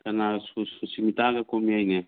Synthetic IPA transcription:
kanasususimit̪aɡakomiajnɛ

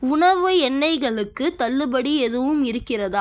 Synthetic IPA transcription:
ʊɳɐʋɯɛnːɐɪɣɐɭɯkːɯt̪ɐɭːɯbɐɽiɛðɯʋɯmɪɾɯkːɪrɐðaː

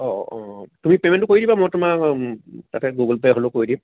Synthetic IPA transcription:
ɔtumipemɛntʊkoɹidibamɔjtʊma | tatɛɡuɡɔlpeɦolokoɹidim

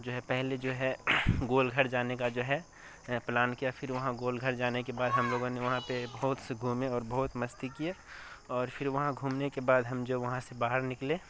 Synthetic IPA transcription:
d͡ʒoːɦɛpɛɦled͡ʒoːɦɛɡoːlɡʱɐɾd͡ʒaːnekad͡ʒoːɦɛ | plaːnkijafʰɪɾʋɐɦãɡoːlɡʱɐɾd͡ʒaːnekebaːd̪ɦɐmloːɡõneʋɐɦãpebɐɦʊt̪seɡʱuːmeɔːɾbɐɦʊt̪mɐst̪ikijeɔːɾfʰɪɾʋɐɦãɡʱuːmnekebaːd̪ɦɐmd͡ʒoːʋɐɦãsebaːɦəɾnɪklẽː

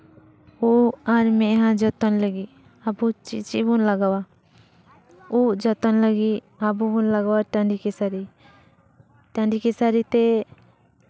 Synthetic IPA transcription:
uaɾmɛɦãd͡ʒət̪ɔnləɡi | abut͡ʃḭt͡ʃibunlaɡawa | ud͡ʒət̪ɔnləɡi | abubunlaɡawaʈaɳɖikesaɾi | ʈaɳɖikesaɾit̪ɛ

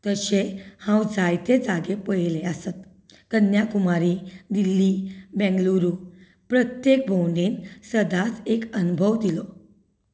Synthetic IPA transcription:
t̪əɕehãwd͡zajt̪ed͡zaɡepəjleasat̪ | kənjakumaɾid̪ilːibɛ̃ŋɡluɾu | pɾət̪jek̚bʱowɳɖinsəd̪at͡sekənubʱəʋd̪ilɔ

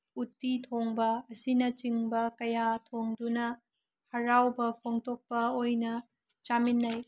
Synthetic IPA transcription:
utːitʰoŋbɐːsinɐt͡ʃiŋbɐkɐjatʰoŋdunɐ | hɐɾawbɐpʰoŋtok̚pɐojnɐ | t͡ʃaminːɐj

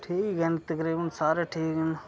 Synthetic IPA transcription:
ʈʰiːkɡent̪ɐkɾiːbənsaːɾeʈʰiːken

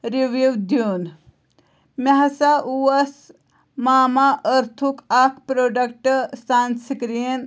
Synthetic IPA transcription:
ɾiʋuʋd̪juːn | mɐɦɐsaʔuɐs | maːmaʔəɾt̪ʰukakʰpɾoːɖɐkʈsaːnsikɾijɐn

